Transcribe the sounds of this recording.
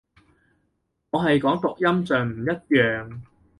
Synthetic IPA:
ŋɔː˨˧ɦɐ˨jkɔː˨˥ŋt̪ʊ˨k̚jɐ˥mt͡sœː˨ŋm̩˨˩jɐ˥t̚jœː˨ŋ

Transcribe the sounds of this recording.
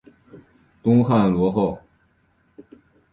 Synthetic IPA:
t̪ʊ˥ŋxa˥˩nlwɔ˧˥xo˥˩ʊ

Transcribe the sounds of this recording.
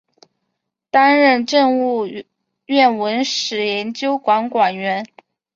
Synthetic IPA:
t̪a˥nɻə˥˧nʈ͡ʂə˥˧ŋu˥˧ | ɥɛ˥˩nwə˧˥nʂɻ̩˨˩jɛ˧˥nt͡ɕjo˥ʊkwɑ˧˥ŋkwa˨˩nɥɛ˧˥n

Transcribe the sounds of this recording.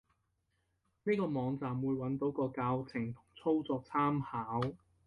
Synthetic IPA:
niː˥kɔː˧mɔː˨˧ŋt͡saː˨mwuː˨˧jwɐ˨˥nt̪o˨˥wkɔː˧kaː˧wt͡sʰɪ˨˩ŋt̪ʰʊ˨˩ŋt͡sʰo˥wt͡sɔː˧k̚t͡sʰaː˥mhaː˨˥w

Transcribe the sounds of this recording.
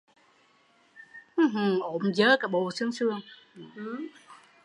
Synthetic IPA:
ʔhʔo˧˩mzəː˨˦kaː˨˩ɓo˨˩sɨ˧əŋsɨ˧əŋ˨˩˧

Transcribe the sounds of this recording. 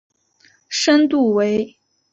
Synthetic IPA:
ʂə˥nt̪u˥˩we˧˥ɪ

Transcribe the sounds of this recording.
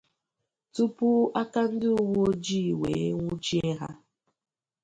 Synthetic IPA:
tu˦pu˦a˦ka˦n̩˦dɪ˦ʊ˦wo˦d͡ʒi˦˨wḛ˨e˦ŋʷʊ˦d͡ʒi˦e˦ɦa̰˦

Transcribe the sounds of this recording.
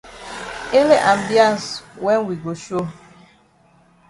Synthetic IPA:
e˦le˦ʔa˨m̩˨di˦a˦n˨swɛ˦nwi˨ɡo˨ʃo˦

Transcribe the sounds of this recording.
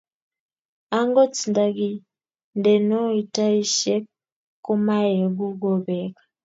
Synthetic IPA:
a˦ŋɡɔ˦t͡si˨nda˨ɡi˦˨ | ndɛ˨nɔ˦i˨ta˦i˦ʃɛ˦kː | u˦ma˦je˨ɡu˦ɡɔ˦βɛkḁ

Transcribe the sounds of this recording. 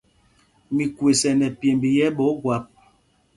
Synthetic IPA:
mi˨kwe˨sɛ˨nɛ˨pje˨mbi˨jɛ˦ɓɔ˨˦ɡwa˨˦p̚

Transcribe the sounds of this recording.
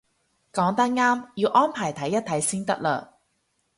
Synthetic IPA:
kɔː˨˥ŋt̪ɐ˥k̚ŋaː˥mjiː˨˧wʔɔː˥npʰaː˨˩jt̪ʰɐ˨˥jːɐ˥t̪̚ʰɐ˨˥jsiː˥nt̪ɐ˥k̚lœ̰ː˨

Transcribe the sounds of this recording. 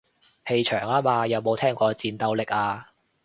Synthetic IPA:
he˨˧jt͡ʃʰœː˨˩ŋaː˥maː˧jɐ˨˧wmo˨˧wt̪ʰɛː˥ŋkʷɔː˧t͡siː˨˧nt̪ɐ˨˧wlɪ˨k̚aː˧

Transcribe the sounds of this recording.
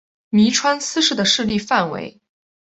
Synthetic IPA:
mi˧˥ʈ͡ʂʰwa˥nsɹ̩˥ʂɻ̩˥˩d̪ə˩ʂɻ̩˥˧li˥˧fa˥˩nwḛ˧˥ɪ

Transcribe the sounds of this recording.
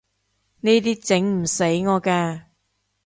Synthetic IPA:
niː˥t̪iː˥t͡sɪ˨˥ŋm̩˨˩se˨˥jŋɔː˨˧kɛː˧

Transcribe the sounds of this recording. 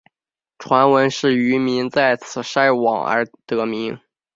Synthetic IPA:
ʈ͡ʂʰwa˧˥nwə˧˥nʂɻ̩˥˩y˧˥mi˧˥ŋt͡sa˥˩ɪt͡sʰɹ̩˨˩ʂa˥ɪwɑ̰˨˩ŋə̰˞˧˥t̪ɤ˧˥mi˧˥ŋ

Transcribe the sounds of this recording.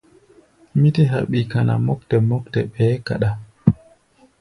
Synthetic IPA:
mi˦te˦ɦa̰˨ɓi˨ka˨na̰˨mɔ˦k̚tɛ˨mɔ˦ktɛ˨ɓɛ˨˦ka̰˨ɗa˨

